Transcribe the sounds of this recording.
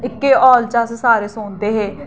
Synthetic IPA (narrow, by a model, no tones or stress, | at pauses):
ɪkːeːɔːlt͡ʃaːsesaːɾeːsoːnd̪eːɦeː